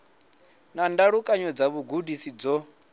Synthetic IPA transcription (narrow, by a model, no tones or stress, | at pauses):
nandaɺukʼaɲɔd͡zaβuɡudisid͡zɔ